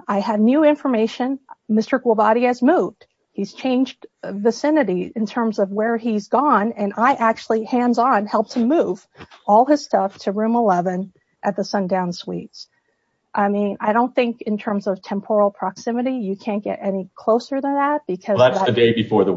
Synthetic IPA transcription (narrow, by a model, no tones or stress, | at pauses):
aɪɨvnjʉɪ̃ɱfə˞meɪʃɨ̃nmɪstə˞ɡulˠbɑɾiɨzmuvd̥ | hiz̥t͡ʃʰẽɪ̃nd͡ʒdvɨsɪ̃nɨɾiɨ̃ntʰɜ̃˞mzʌvwə˞izɡɔ̃nɨ̃naɪʔæk̚t͡ʃʉl̩ˠihæ̃ndzn̩hɛlˠp̚tʰɨmuv̥ | ɔlˠɨz̥stʌftʰɨɹʉ̃məlɛvɨ̃n | ʔɨt̪̚ðɨsʌ̃ndãʊ̃nswḭtz̥ | ʔaɪmĩna̰ɪɾõʊ̃nθɪ̃ŋkɨ̃ntʰɜ̃˞mzʌv̥tʰɛ̃mpʰɔɹl̩ˠpʰɹ̥ɑksɪ̃mɨɾijɨkʰæ̃nɡ̥ɛ̰ɾɛnikʰl̥oʊsə˞ðə̃nðæt̚b̥ɨkʰʌðəɨdeɪbɨfɔɹðə